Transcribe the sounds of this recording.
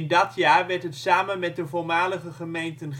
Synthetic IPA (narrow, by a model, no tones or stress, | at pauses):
ndɑtjaːɹʋɛɹtɦətsaːmənmɛt̚dəvʊɹmaːləχəχəmejntənχ